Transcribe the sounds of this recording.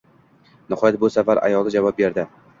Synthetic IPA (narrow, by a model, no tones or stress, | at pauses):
nɪhɒjat̪̚bʊsavaɾa̰jɒlˠɪd͡ʒavɒp̚be̞ɾd̪ɪ